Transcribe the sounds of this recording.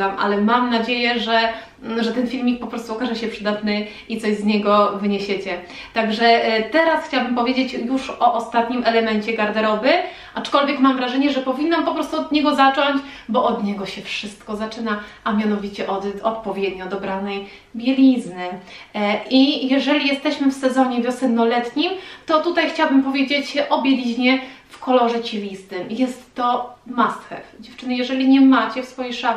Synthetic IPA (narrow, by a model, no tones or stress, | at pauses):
amʔa̰lɛmamnad͡ʑejɛʐɛ | ʐɛt̪ɛnfʲilmʲik̚pɔpɾɔst̪uɔkaʐɛɕɛpʂɘd̪at̪nɘ | ʔit̪sɔʑzɲɛɡɔvɘɲeɕɛt͡ɕɛ | t̪aɡʐɛt̪ɛɾasxt͡ɕawabɘmpɔvʲed͡ʑet͡ɕjuʂɔʔɔst̪at̪ɲimʔɛlɛmɛɲt͡ɕɛɡaɾd̪ɛɾɔvɘ | ʔat͡ʂkɔlvʲjɛkmamvɾaʐɛɲɛʐɛpɔvʲinːampɔpɾɔst̪uɔd̪ɲɛɡɔzat͡ʂɔɲt͡ɕbɔʔɔd̪ɲɛɡɔɕɛfʂɘst̪kɔzat͡ʂɘna | amʲjanɔvʲit͡ɕɛʔɔd̪ɔt̪pɔvʲjɛd̪ɲɔd̪ɔbɾanɛj | bʲjɛlʲiznɘ | ʔijɛʐɛlʲijɛst̪ɛɕmɘfsɛzɔɲɛvʲjɔsɛnnːɔlɛt̪ɲimt̪ɔt̪ut̪ajxt͡ɕawabɘmpɔvʲjed͡ʑet͡ɕɕɛʔɔbʲjelʲiʑɲɛfkɔlɔʐɛt͡ɕɛlʲist̪ɘmjɛst̪ːɔmast̪xɛ̰fd͡ʑɛft͡ʂɘnɛjɛʐɛlʲiɲɛmat͡ɕɛfsfɔjijʂa